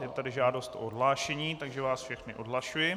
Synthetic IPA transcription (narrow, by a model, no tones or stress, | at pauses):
jɛt̪adɪʒaːdost̪o̰ʔodɦlaːʃɛɲiːt̪aɡʒɛvaːsfʃɛxnɪʔodɦlaʃujɪ